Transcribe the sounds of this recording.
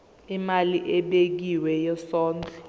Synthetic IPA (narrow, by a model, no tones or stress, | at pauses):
imaliʔɛɓek̬iwɛjɛsɔːnd͡ɮʱɔ